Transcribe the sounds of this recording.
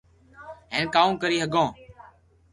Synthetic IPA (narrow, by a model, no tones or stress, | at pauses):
ɦẽːnkaːũːkəɾiːɦəɡõː